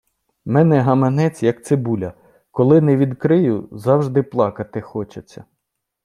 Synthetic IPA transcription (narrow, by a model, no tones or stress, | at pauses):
mɛnɛɦɐmɐnɛt͡sʲjɐk̚t̪sɪbulʲɐ | kɔlˠɪnɛʋʲid̪kɾɪjʊzɑwʒd̪ɪplˠɑkɐt̪ɪxɔt͡ʃet͡sʲːɐ